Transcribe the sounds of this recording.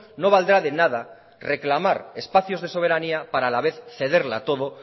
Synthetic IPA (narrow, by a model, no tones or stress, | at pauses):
no̞β̞ald̪ɾaðe̞naða | re̞klamaɾe̞spaθjo̞zðe̞so̞β̞e̞ɾaniapaɾaːlaβe̞θθe̞ðe̞ɾla̰t̪o̞ðo